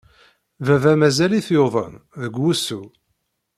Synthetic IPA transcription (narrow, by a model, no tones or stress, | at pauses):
vævæmæzæliθjoðˤə̰nðəɡːusu